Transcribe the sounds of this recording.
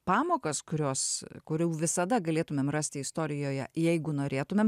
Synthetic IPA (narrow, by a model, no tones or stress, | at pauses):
pɑːmoːkɐskʊɾʲoːskʊɾʲɛʊʋʲɪsɐd̪ɐɡɐlʲeːt̪ʊmʲeːmrɑːsʲt̪ʲɪɪst̪oːɾʲɪjoːjɛ̰jɛɪɡʊnoːɾʲeːt̪ʊmʲeːm